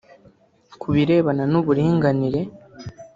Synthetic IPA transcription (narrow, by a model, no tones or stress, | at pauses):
kʰuβiɾe̞ːβananuβuɾiːŋɡaniɾe̞